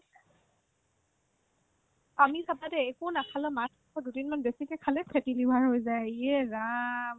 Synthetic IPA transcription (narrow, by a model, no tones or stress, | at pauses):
amisʰabadɛɛkʊnakʰalɛmatʰɔ̥kʰɔdudinmanbesikɛkʰalɛpʰɛtilibʱaɹɦojzajiɛɹam